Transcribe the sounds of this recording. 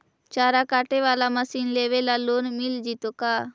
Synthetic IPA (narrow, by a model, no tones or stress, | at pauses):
t͡ʃaːɾaːkaːʈeːʋaːlaːməsiːnleːʋeːlaːloːnmɪld͡ʒiːt̪oːkaː